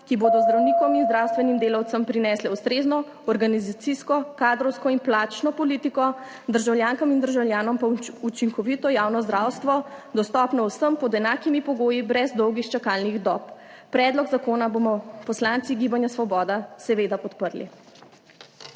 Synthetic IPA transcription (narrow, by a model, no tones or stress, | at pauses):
kiboːd̪ɔzd̪ɾawniːkɔminzd̪ɾawst̪ʋɛnimd̪eːlawt̪səmpɾinɛːslɛust̪ɾeːznɔ | ɔɾɡanizat̪siskɔkaːd̪ɾɔwskɔinplaːt͡ʃnɔpɔliːt̪ikɔ | d̪əɾʒawljaːŋkamind̪əɾʒawljaːnɔmpaut͡ʃiŋkɔʋit̪ɔjaːwnɔzd̪ɾaːwst̪ʋɔd̪ɔst̪ɔpnɔwsəmpɔd̪ɛnaːkimipɔɡoːjibɾɛzd̪ɔwɡixt͡ʃakaːlniɣd̪ɔppːɾɛːd̪lɔɡzakoːnabomɔpɔslant̪siɡiːbanjasʋɔbɔːd̪asɛʋeːd̪apɔt̪pəɾlḭ